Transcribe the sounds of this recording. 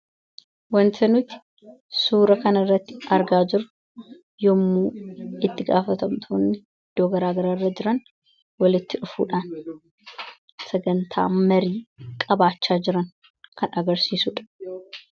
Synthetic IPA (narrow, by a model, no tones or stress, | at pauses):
wɐnt̪ʰɐnʊt̪ɪ̥ | suːɾɐkɐnɐɪrːɐt̪ːɪɐɾɡaːd͡ʒɪɾʊ | jɔmːuːɪt̪ːɪɡaːfɐt̪ɐmt̪ʰoːnːɪ | ɪd̪̥ːoːɡɐɾaːɡɐɾaːrːɐd͡ʒɪɾɐn | wɐlɪt̪ːɪᶑʊfṵːᶑaːn | sɛɡɐnt̪ʰa̰ːmɐɾiːkʼɐbaːt͡ʃːaːd͡ʒɪɾɐn | kʰɐnʔɐɡɐɾsiːsuːᶑɐ̥